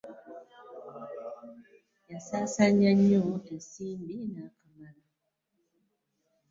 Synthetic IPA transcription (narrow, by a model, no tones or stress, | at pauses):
jasasaɲaɲɔtɛsimbinakamala